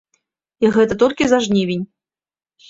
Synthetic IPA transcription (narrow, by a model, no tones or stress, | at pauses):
iɣɛt̪ɐt̪ɔlʲkʲizaʐnʲivʲinʲ